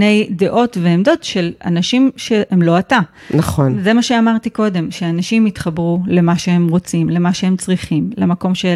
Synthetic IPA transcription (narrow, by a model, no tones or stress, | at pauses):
ne̞jde̞ʔo̞tve̞emd̪o̞tʃe̞la̰naʃimʃe̞ʔemlo̞ata | nɐχonzemaʃeamaʁt̪iko̞de̞mʃeanaʃimitχabʁule̞maʃee̞mʁo̞t͡simle̞maʃe̞e̞mt͡sʁiχimlemako̞mʃe